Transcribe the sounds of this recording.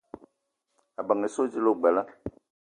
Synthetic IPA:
a˨ba˨ŋe˨so˦d͡ʒi˦lo˦ɡ͡bɛ˨la˦

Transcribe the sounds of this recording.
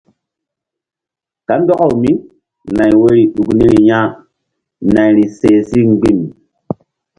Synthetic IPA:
ka˨˦ndo˦ka˦˨wmi˦ | na˨jwo˦ɾi˨ɗu˨kni˦ɾi˨ɲa˦ | na˨jɾi˨se˨si˦ŋ͡mɡ͡bi˦m

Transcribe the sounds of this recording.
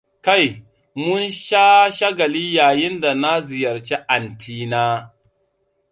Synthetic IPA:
ka˦˨j | mʊ˦nʃaː˦ʃa˦ɡɐ˨liː˦jaː˨jɪ˦nda˨na˦zɪ˨jɐ˨ɾt͡ʃe˦ʔa˨ntʰiː˦naː˦

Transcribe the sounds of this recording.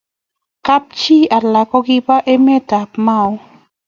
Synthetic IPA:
ka˦p̚t͡ʃi˦a˨la˨kɔ˦ki˦pa˦ʔe˦mɛ˦ta˨pma˦w

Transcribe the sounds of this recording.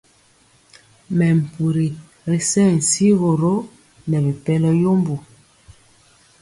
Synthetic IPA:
mɛ˨m̩˨pu˨ɾi˨ | ɾe˨sɛ˦n̩˨si˦ɣo˨ɾo˦ | nɛ˨bi˨pɛ˦lɛ˦jo˦mbu˨

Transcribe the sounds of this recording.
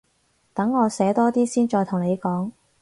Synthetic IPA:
t̪ɐ˨˥ŋːɔː˨˧sɛː˨˥t̪ɔː˥t̪iː˥siː˥nt͡ʃɔː˧jt̪ʰʊ˨˩ŋne˨˧jkɔː˨˥ŋ

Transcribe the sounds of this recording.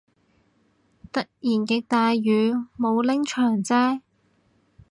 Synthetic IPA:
t̪ɐ˥k̚jiː˨˩nkɛ˧k̚t̪aː˨˧jjyː˨˧mo˨˧wlɪ˥ŋt͡ʃʰœː˨˩ŋt͡sɛː˥

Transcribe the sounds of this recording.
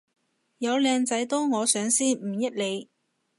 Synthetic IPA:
jɐ˨˧wlɛː˨˧ŋt͡sɐ˨˥jt̪ɔː˥ŋɔː˨˧sœː˨˥ŋsiː˥nm̩˨˩jɐ˥t̚le˨˧j

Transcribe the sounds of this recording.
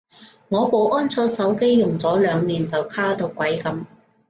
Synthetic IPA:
ŋɔː˨˧po˨˧wʔɔː˥nt͡sʰɔː˧sɐ˨˥wke˥jːʊ˨˩ŋt͡sɔː˨˥lœː˨˧ŋniː˨˩nt͡sɐ˨wkʰaː˥t̪o˧wkʷɐ˨˥jkɐ˨˥m

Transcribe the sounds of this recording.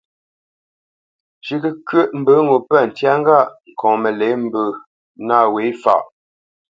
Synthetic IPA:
ʃi˨kə˦kɥə˦˨ʔm̩˨bə˨˦ŋo˨pə˦˨n̩˨tja˦ŋ̩˦ɡa˦˨ʔŋ̩˨kʰɔ̃˨mə˨le˨˦m̩˦bə˨ | na˦˨we˨˦fa̰˨ʔ

